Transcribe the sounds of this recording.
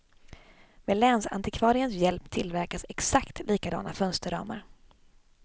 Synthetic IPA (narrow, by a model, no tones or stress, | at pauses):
mɛlɛːnsa̰nt̪ɪkʰvɑːɾɪənsjɛlpt̪ʰɪlvæɾkasɛksakt̪liːkad̪ɑ̰ːnafœnst̪əɖɑ̰ːma̰ɾ